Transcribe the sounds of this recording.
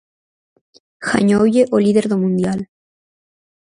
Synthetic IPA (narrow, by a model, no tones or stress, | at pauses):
xa̰ɲowjeʔoliðeɾðomũnd̪jal